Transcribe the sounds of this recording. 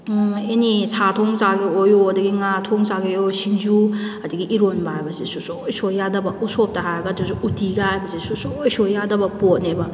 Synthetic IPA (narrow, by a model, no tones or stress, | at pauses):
enisʰatʰoŋzaɡeojoɐdɐɡiŋatʰoŋzaɡeosiŋzuɐdɐɡiʔːɾonbɐɦajbɐsesusojsojːadɐbɐusop̚tɐɦajɐɡɐtʰisuutiɡahajbɐsesusojsojːadɐbɐpot̚nebɐ